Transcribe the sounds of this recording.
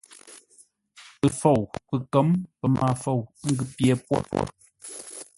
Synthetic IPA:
pɨ˨fo˨wpɨ˨kə˦mpə˨mʔa˨fo˨wŋ̩˦ɡɨ˦pjɛ˦˨pwɔ̰˦pɔ̰˦˨

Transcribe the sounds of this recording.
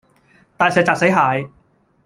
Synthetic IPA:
t̪aː˨jsɛː˨˧k̚t͡saː˨˩se˨˥jɦaː˨˧j

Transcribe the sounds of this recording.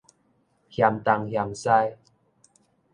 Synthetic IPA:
hja˨˩mt̪a˨˧ŋhja˨msa˧j

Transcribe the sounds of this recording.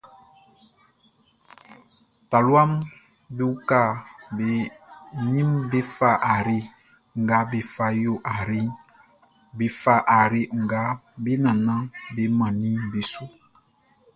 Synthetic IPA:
ta˨lwa˦m | bi˦u˦ka˦˨be˨˦nĩ˦mbe˦fa˦˨ʔa˨ɾi˦ | ŋ˨ɡa˨˦bi˨fa˦jo˦ʔa˨ɾi˦ | bi˨fa˦˨ʔa˨ɾi˦ŋ̩˨ɡa˦bi˦nã˨nã˦be˦mã˨nĩ˦bi˨su˦

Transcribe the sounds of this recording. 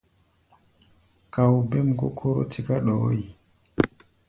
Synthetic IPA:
ka˨wbe˦mɡo̰˦kʰo˦ɾo̰˦tʰi˦ka˦ɗɔ˨˦i˨

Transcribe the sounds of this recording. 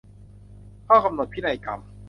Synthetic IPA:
kʰaː˥˩wka˧mnu˨˩t̪̚pʰiː˦˥˩na˧jka̰˧m

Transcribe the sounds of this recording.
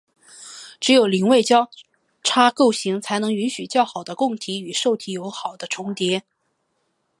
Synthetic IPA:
ʈ͡ʂɻ̩˧˥jo˨˩ʊli˨˥ŋwe˥˧ɪt͡ɕjɑ˥ʊ | ʈ͡ʂʰa˥ko˥˩ʊɕi˧˥ŋt͡sʰa˧˥ɪnɤ˧˥ŋy˧˥nɕy˨˩t͡ɕjɑ˥˩ʊxɑ˨˩ʊd̪ə˦kʊ˥˩ŋt̪ʰi˧˥y˨˩ʂo˥˩ʊt̪ʰi˧˥jo˧˥ʊxɑ˨˩ʊd̪̥ə˦ʈ͡ʂʰʊ˧˥ŋt̪jɛ˧˥

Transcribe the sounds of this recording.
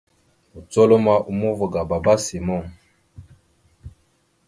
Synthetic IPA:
u˨t͡sɔ˦lo˦ma˦ʔu˨mu˦vu˨ɡa˨ba˨ba˦si˨mɔ˦˨ŋ

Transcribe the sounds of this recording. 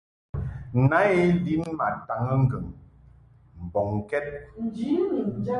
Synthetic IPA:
na˨˦e˦li˦nma˨ta˨ŋə˦ŋ̩˦ɡə˨ŋ | m̩˨bɔ˨ŋ˨kɛ˦t̚

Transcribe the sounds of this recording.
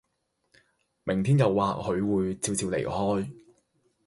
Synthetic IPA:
mɪ˨˩ŋt̪ʰiː˥njɐ˨wːaː˨˧k̚hɵ˨˧ɥwuː˨˧jt͡siː˧wt͡siː˧wlḛ˨˩jhɔː˥j

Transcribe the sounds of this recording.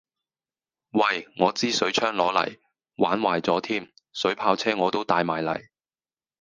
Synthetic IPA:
wɐ˧˩jŋɔː˨˧t͡siː˥sɵ˨˥ɥt͡ʃʰœː˥ŋlɔː˨˧˥lɐ̰˨˩j | waː˨˥nwaː˨˩jt͡sɔː˨˥t̪ʰiː˥m | sɵ˨˥ɥpʰaː˧wt͡sʰɛː˥ŋɔː˨˧t̪o˥wt̪aː˧jmaː˨˩jlɐ̰˨˩j

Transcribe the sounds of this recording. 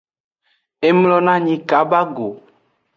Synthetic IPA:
e˦mlɔ˦nã˦ɲĩ˨ka˨ba˦ɡo˨

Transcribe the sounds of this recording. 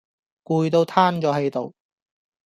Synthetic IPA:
kuː˧jt̪o˧wt̪ʰaː˥nt͡ʃɔː˨˥ɦe˨˧jt̪o˨˧w

